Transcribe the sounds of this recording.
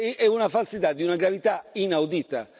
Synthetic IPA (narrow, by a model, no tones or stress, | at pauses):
ɛunafalsit̪ad̪ːiunaɡɾavit̪ainawd̪it̪a̰